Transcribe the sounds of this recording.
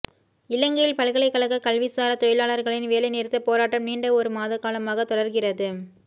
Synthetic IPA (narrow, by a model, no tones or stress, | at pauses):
ɪlɐŋɡɐjɪlpɐɭɣɐɭɐɪkːɐɭɐɣɐkɐlʋɪsaːɾɐt̪ɔjɪlaːɭɐɾɣɐɭɪnʋeːlɐɪnɛɾɯt̪ːɐpoːɾaːʈːɐmniːɳɖɐɔɾɯmaːðɐkːaːlɐmaːɣɐt̪ɔɽɐɾɣɪrɐðɯ